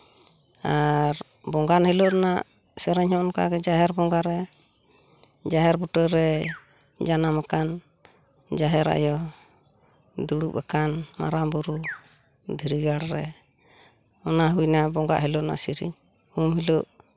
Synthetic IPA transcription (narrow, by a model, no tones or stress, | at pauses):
aɾ | bɔŋɡanhɛlɔʔnaʔ | sɛɾɛɲhɔʔɔnka̰ɡɛd͡ʒaɦɛɾbɔŋɡaɾɛ | d͡ʒaɦɛɾbuʈəɾɛ | d͡ʒanamakan | d͡ʒaɦɛɾa̰ʔjɔ | d̪uɽupɛkanma̰ɾambuɾu | d̪ʱiɾiɡaɽɾɛ | ɔnaɦujnabɔŋɡa̰ʔɦilɔʔna̰siɾḭɲ | humɦilɔʔ